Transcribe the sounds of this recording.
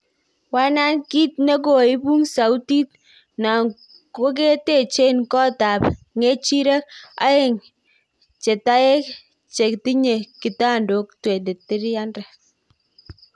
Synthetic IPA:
wa˦na˦nki˦t̚ne˦k̬o˨ɪ˦bu˦ŋsa˨u˦ti˦t̚ | na˨ŋ | ko˦k̬e˦te˦t͡ʃe˦nkɔ˦ta˨p | ŋe˦t͡ʃi˦ɾɛ˦k̚a̰˦ɪ˦˨ŋ | t͡ʃe˨ta˦e˦k | t͡ʃe˨kti˦ɲe˨ki˨ta˦˨ndo˨˦k̚twe˨de˨tɪ˦ɾja˦ndɛ˨

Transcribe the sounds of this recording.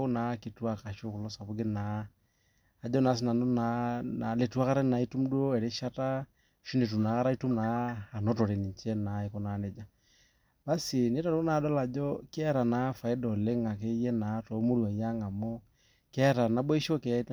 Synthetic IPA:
o˦na˨˦ke˨twa˨ka˨ʃo˦ko˨lɔ˦sa˨βu˦ɡe˦na˨˦˨ | d͡ʒɔ˦na˨˦s̬i˦na˨no˦na˨na˨le˨tu˦a˦ka˦ɾa˦na˨i˦tu˦mdu˦o˦ɛ˨ɾe˦ʃa˦ta˦ | ʃo˦ne˨tu˨na˨˦ka˦ɾa˦i˦tu˦mnaː˨nɔ˦tɔ˨ɾe˨ni˨ɲ˨t͡ʃɛ˦na˨˦e˨ko˦na˨˦ne˦d͡ʒa˦˨ | ba˦si˨ne˦ta˨ɾo˦na˨˦dɔ˦la˨d͡ʒɔ˦kːɾa˨na˨˦fa˨e˦dɔ˨le˦ŋa˨k̬e˦jɛ˦na˨˦tɔ˨˦mo˦ɾwa˨ja˦ŋa˨mɔ˦ | kɛ˦ta˨na˨˦bɔ˦i˦ʃo˦kɛ˨

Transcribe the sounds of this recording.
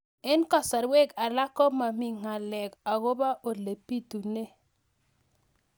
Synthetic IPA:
ɛ˦nkɔ˨sa˨ɾwe˦˨ka˨la˦kɔ˦ma˨mi˨ŋa˨lɛ˨ka˨ɡo˦ba˦ʔo˨le˨pi˦tu˨ne˦

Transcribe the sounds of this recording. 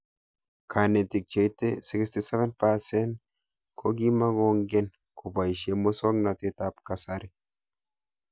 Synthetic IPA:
kʰa˨ne˨t̪ɪ˨k̚t͡ʃe˨jt̪e˦sɪ˦kst̪ɪ˨sɛ˦vɛ˦npa˦sɛ˦n | kʰo˦ɡi˦ma˦ɡo˦ŋɡe˦n | kʊ˨ba˨ʃe˦mo˦sɔ˦ɡna˨t̪e˦t̪a˦pka˨saɾɪ˦

